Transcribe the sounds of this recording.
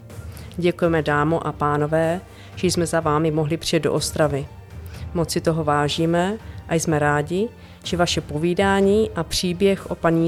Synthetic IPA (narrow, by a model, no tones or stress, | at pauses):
ɟɛkujɛmɛdaːmoʔapaːno̞vɛː | ʒɛjsmɛzavaːmɪmo̞ɦlɪpr̥ɪjɛt̪do̞ʔost̪ɾavɪ | mo̞t͡sɪt̪o̞ɦo̞vaːʒiːmɛʔajsmɛɾaːɟɪ | ʒ̥ɛvaʃɛpo̞viːdaːɲiːʔapr̝̥iːbjɛxʔo̞paɲiː